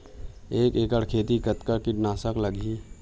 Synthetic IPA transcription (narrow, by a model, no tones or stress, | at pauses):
eːkeːkəɽkʰeːt̪ikət̪kəɾkɪʈnaːsəkləɡi